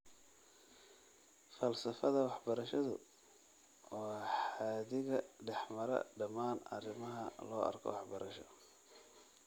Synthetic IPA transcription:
fɐlsɐfɐðɐwɑħbɐɾɐʃɐðʊ̰ | wɔːħaːðɪɣɐɖɛħmɐɾɐ̰ɖɐmaːnɐ̰rɪmɐɦɐlɔːʔɐ̰rkʰɔ̰wɑħbɐɾʔɐʃɔ

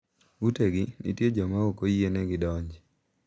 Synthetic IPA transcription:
uteɡɪnḭtjed͡ʒɔmaokojienɛɡɪdɔɲd͡ʒ

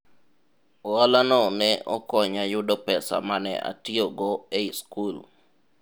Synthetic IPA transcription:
ɔalanɔnɛʔɔkɔɲajʊdɔpɛsa̰manɛ̰ʔa̰tioɡɔeiskul

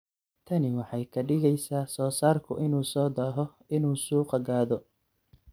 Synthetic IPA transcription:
t̪ʰɐnɪwɑħɑjkʰɐɖɪɣɛjsaːsɔːsaːrkʰʊ̰ʔɪnuːsɔːd̪aːɦɔ | ɪnuːsuːqɑɡaːðɔ

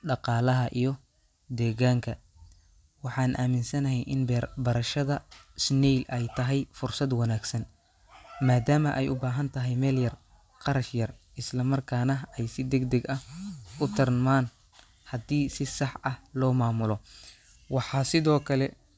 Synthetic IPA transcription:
ɖɑqɑːlɐɦɐʔijɞ | d̪ɛːɣaːŋkʰɐ | wɑħɑːnʔa̰ːmɪnsɐnɐɦɛjʔɪnbɐɾɐʃɐðɐsnɛjlʔɛjt̪ʰɐɦɛjfʊrsɐd̪wɑnaːɡsɐn | maːd̪aːmɐʔɛjʊbaːɦɐnt̪ʰɐɦɛjmɛːljɐr | qɑɾɐʃjɐrʔɪslɐmɐrkʰaːnɐɛjsɪd̪ɛɡd̪ɛɡɐhʊt̪ʰɪrmaːn | hɐd̪iːsɪsɑħɐhlɔːmaːmʊlɔ | wɑħɑːsɪðɔːkʰɐlɛ

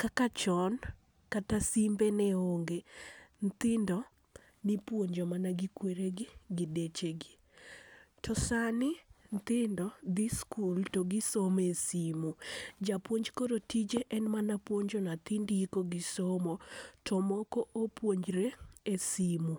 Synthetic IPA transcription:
kakat͡ʃɔn | katasimbenɛoŋɡent̪ɪndɔ | nɪpwoɲd͡ʒɔmanaɡikweɾeɡɪɡɪdet͡ʃeɡɪ | tʰɔsanɪnt̪ɪndɔd̪iskultoɡɪsomesimud͡ʒapwoɲd͡ʒkoɾotid͡ʒeʔɛnmanapwoɲd͡ʒonat̪indiikoɡɪsomotʰɔmɔkɔʔopwoɲd͡ʒɾeesimu

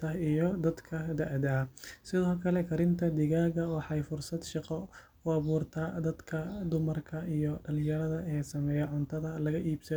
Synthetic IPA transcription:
ɐijɔd̪ɐd̪kʰɐd̪ɐʕd̪ɐsɪðɔːkʰɐlɛkʰɐɾɪnt̪ʰɐd̪ɪɣaːɣɐwɑħɑjfʊrsɐd̪ʃɑqɔ | wɑβuːrt̪ʰɐd̪ɐd̪kʰɐd̪ʊmɐrkʰɐijɔɖɐlɪjɐɾɐðɐʔɛːsɐmɛːjɛʕʊnt̪ʰɐðɐlɐɣɐʔiːbsɐ

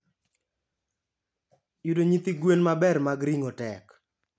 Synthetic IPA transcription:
judoɲit̪iɡwenmabɛrmaɡɾiŋotɛk

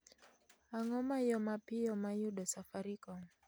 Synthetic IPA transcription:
aŋɔmaijɔmapijɔmajuɗɔsafaɾikɔŋ

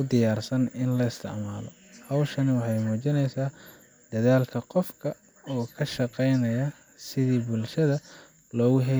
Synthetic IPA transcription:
ʊd̪ɪjaːrsɐnɪnlɐɪst̪ʰɪ̰ʕmaːlɔ̰ | hɐwʃɐnɪwɑħɑjmuːt͡ʃɪnɛjsaː | d̪̥ɐðaːlkʰɐqɔfkʰɐ | ɔːkʰɐʃɑqɛjnɐjɐ | sɪðiːbʊlʃɐðɐ | lɔːɣʊɦɛ

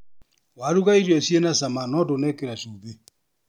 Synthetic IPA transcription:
waɾuɣaiɾiɔsjenasamanɔdonɛkeɾasoβe

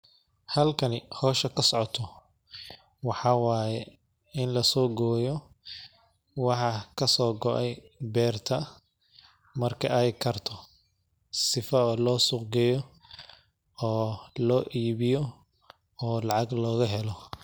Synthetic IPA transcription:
hɐlkʰɐnɪhɔːʃɐkʰɐsɔʕɔt̪ʰɔ | wɑħɑwaːjɛ | ɪnlɐsɔːɡɔːjɔ | wɑħɑkʰɐsɔːɡɔʔɛjbɛːrt̪ʰɐ | mɐrkʰɐʔɛjkʰɐrt̪ʰɔ | sɪfɐːlɔːsʊqɡɛjɔ | ɔːlɔːʔiːβɪjɔ | ɔːlɑʕɑɡlɔːɣɐɦɛlɔ

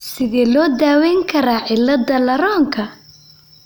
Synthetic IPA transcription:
sɪðɛːlɔːd̪aːwɛːŋkʰɐɾaːʕɪlːɐd̪ɐlɐɾɔːŋkʰɐ

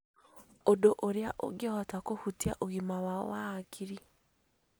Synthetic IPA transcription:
odoʔoɾeaʔo̰ɡeɔtakohutiaʔoɣimawawaakʰiɾi

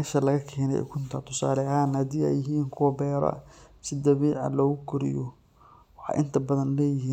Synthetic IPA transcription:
mɛːʃɐlɐɣɐkʰɛːnɛ̰ɛ̰kʰʊnt̪ʰɐt̪ʰʊsa̰ːlɛaːnhɐd̪iːɛ̰jɪɦiːnkʰʊwɐbɛːɾɐ̰sɪd̪ɐβiːʕɑ̰lɔːɣʊkʰʊɾɪ̰jɔ | wɑħɑ̰ːjʔɪnt̪ʰɐbɐðɐnlɛːjɪɦiːn

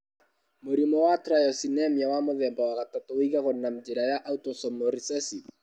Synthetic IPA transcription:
moɾimɔwatɾajɔsinɛmjawamoðɛmbawaɣatatoiɣaɣonam̩d͡ʒeɾajaʔautɔsɔmoɾisɛsi

